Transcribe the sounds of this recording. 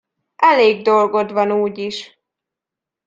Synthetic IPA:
ʔɛleːɡd̪o̞lɡo̞d̪ʋɒnuːɟiʃ

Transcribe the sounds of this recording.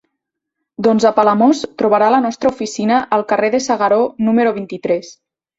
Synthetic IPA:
d̪ɔnzəpaləmost̪ɾuβaɾalənɔst̪ɾəufisinəʔəlˠkəreðəsaɣaɾonuməɾoβ̞int̪it̪ɾɛs

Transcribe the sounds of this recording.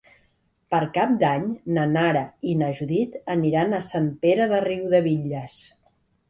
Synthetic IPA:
pəɾkap̚d̪aɲnənaɾəinəʒuðit̪əniɾanəsant̪eɾəðəriwðəβiʎəs

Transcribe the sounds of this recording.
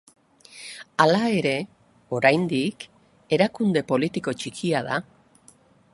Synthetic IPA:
alae̞ɾe̞ | o̞ɾajnd̪ik | e̞ɾakund̪e̞po̞lit̪iko̞t͡ʃikʰiaða̰

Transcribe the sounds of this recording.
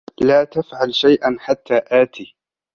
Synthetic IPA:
laːt̪afʕalʃajʔanħat̪ːaːʔaːt̪iː

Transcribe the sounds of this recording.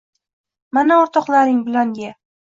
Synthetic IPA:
manaɒɾt̪ʰɒqlˠaɾɪŋbɪlaŋɡʲa

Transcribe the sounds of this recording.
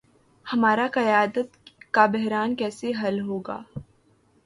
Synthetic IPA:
hɐmaːɾaqɐjaːd̪ət̪kabɛɦɾaːnkɛːseɦɐlɦoːɡa̰ː

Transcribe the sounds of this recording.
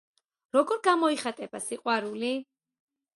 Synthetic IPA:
ɾɔɡɔɾɡamɔiχat̪ʼɛbasiqʼwaɾuli

